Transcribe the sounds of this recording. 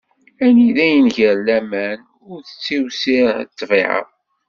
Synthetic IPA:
æniðæjənʝəɾlæmæn | ʊɾθət͡sːiwsiɾt̪ːˤviʕə̰

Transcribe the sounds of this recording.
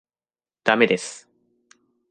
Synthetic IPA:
d̪̥ame̞d̪e̞sɨ̥

